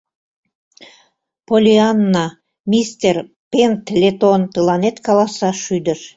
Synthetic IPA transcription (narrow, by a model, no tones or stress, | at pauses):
polʲianːɑ | mʲist̪ʲer | pent̪lʲet̪ont̪ɯlɑnet̪kɑlˠɑsɑʃyd̪ə̆ʃ